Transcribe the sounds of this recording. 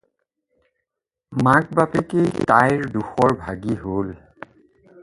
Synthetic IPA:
mak̚bapekejtajɹduxɔɹbʱaɡiɦol

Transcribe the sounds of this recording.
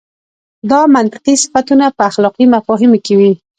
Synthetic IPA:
d̪ɑmant̪ɪ̥qisɪ̥fat̪unapəaxlɑqimafɔɦɪmokewi

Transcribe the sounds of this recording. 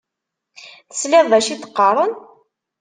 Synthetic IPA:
θəslɪðˤðæʃiθə̥qːɑɾˤən

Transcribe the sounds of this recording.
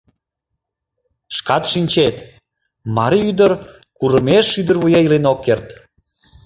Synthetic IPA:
ʃkɑt̪ʃinʲt͡ɕet̪ | mɑɾiyd̪əɾ | kuɾəmeʃyd̪ərβujɑilenokːert̪

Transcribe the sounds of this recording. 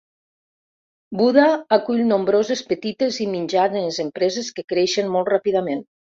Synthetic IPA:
buðaakuʎnombɾozespət̪it̪eziminʲd͡ʒanezəmpɾɛzeskəkɾɛʃənmɔlˠtrapiðamen

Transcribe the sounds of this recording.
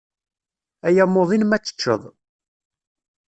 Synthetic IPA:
æjæmːoðˤinmæt͡sːə̥t͡ʃːə̰ðˤ

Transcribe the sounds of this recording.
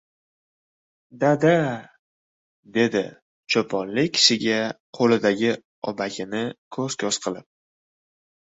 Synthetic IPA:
d̪ad̪a | d̪e̞d̪ɪ | t͡ʃʰopʰɒnlɪkʲʰsɪɡʲaqʰolɪd̪aɡʲɪ | ɒ̰baɡʲɪnɪkʰɵz̥kʲʰɒsqʰɨlˠɪp̚

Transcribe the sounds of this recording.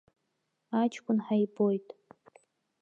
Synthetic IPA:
at͡ʃʰʼkʷʰʼʊnħajbo̞jtʼ

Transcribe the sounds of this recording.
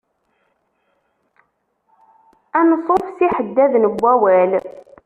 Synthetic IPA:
ænəsˤofsiħəd̪ːæðnəbʷːæwæl

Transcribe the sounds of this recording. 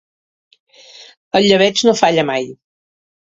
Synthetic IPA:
əʎːəβɛznofaʎəmaj

